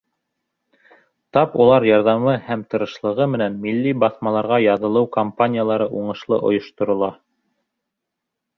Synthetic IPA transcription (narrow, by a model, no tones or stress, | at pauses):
t̪ɑpulˠɑɾjɑɾðɑmɤhæmt̪ɤ̆ɾɤ̆ʃlˠɤ̆ʁɤmɘ̆nænmilːibɑθmɑlˠɑɾʁɑjɑðɤ̆lˠɤwkɐmpanʲijalˠɑɾɤʔuɴɤ̆ʃlˠɤ̰ʔŏ̰jŏʃt̪ŏɾŏlˠɑ